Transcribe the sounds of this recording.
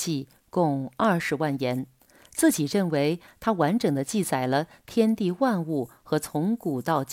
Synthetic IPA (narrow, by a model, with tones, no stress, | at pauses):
i˥˧ | kʊ˥˧ŋa˞˥˩ʂɻ̩˧˥wa˥˩njɛ˧˥n | t͡sɹ̩˥˩t͡ɕi˨˩ɻə˥˩nwe˧˥ɪt̪ʰa˥wa˧˥nʈ͡ʂɤ˨˩ŋd̪ə˦t͡ɕi˥˩t͡sa˨˩ɪlə˦t̪ʰjɛ˥nt̪i˥˧wa˥˧nu˥˩xɤ˧˥t͡sʰʊ˧˥ŋku˨˩t̪ɑ˥˩˧ʊt͡ɕ